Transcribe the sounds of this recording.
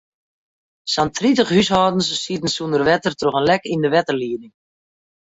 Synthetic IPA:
santʰritəχhyshɔːdən̩ssiətən̩sundərʋɛtərtroχənlɛkindəʋɛtərliːədɪŋ

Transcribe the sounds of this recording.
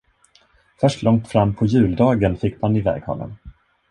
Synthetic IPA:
fœʂʈlɔŋt̪fɾamːpʰɔjʉ̟ːld̪ɑːɡənfɪkːmanɪvɛ̰ːɡhɔ̰lə̰n

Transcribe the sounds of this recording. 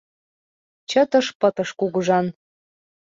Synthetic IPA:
t͡ɕə̆t̪ɤ̆ʃpɤ̆t̪ɤ̆ʃkuɣəʒɑn

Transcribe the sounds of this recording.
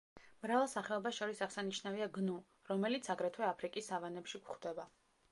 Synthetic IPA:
mɾavalˠsaχɛɔbasʃɔɾisaʁsaniʃnaviaɡnu | ɾɔmɛlit̪sʰaɡɾɛt̪ʰwɛapʰɾikʼisavanɛpʃiɡχd̪̥ɛba

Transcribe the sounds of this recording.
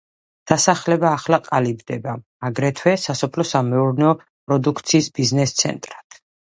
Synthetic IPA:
d̪̥asaχlɛbaːχlaqʼalibd̪ɛba | aɡɾɛt̪ʰwɛsasɔpʰlɔsamɛuɾnɛɔ | pʼɾɔd̪ukʰt̪sʰiːsbiznɛst̪sʰɛ̰nt̪ʼɾat̪ʰ

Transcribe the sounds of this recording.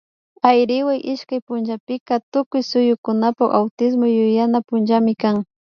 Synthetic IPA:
ajɾɪwajʔɪʃkajpʊnʒapɪkat̪ʊkʊjsʊjʊkʊnapaka̰wt̪ɪs̬mojʊjanapʊnʒamɪkaŋ

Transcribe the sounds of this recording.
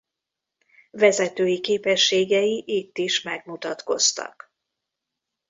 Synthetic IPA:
vɛzɛt̪øːjikeːpɛʃːeːɡɛjiʔit̪ːiʃmɛɡmut̪ɒt̪ko̞st̪ɒ̰k

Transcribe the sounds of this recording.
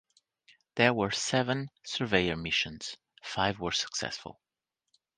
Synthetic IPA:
ðə˞wə˞sɛvə̃nsə˞veɪə˞mɪʃə̃nz̥ | faɪvwə˞sə̥ksɛ̰sfə̰l̩ˠ

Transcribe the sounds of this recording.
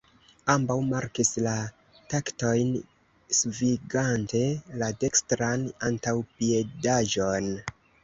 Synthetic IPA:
ambawmaɾkisla | takto̞jn | sviɡante̞lade̞kstɾanantawpie̞daʒo̞n

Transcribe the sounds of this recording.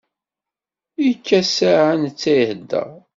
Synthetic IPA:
ikːæsaʕant͡sːæjhəd̪ːə̰ʁ

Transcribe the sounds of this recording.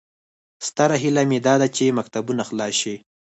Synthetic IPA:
st̪aɾaɦilamed̪ɑd̪at͡ʃemak̚t̪abunaxlɑʃi

